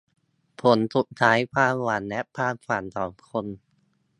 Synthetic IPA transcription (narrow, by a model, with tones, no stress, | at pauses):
pʰo˩˦nsu˨˩t̚t̪ʰaː˦˥jpʰaː˧˩waː˨˩˦nlɛ˦˥ʔpʰaː˧kʰaː˨˩nsɔː˩˦mkʰo˧n